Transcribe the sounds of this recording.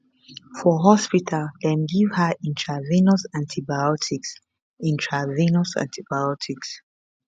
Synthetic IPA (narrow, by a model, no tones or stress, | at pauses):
fɔɦɔspitʰaldɛ̃mɡivhəʔɛ̃ntʰɹavinosãntʰibajɔtʰiks | ĩntʰɹavinosã̰ntʰibajɔtʰiks